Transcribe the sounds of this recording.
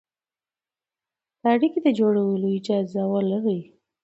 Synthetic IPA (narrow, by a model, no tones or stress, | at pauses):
d̪aɽikid̪əd͡ʒoɽawəloid͡ʒɑzɑwalaɾə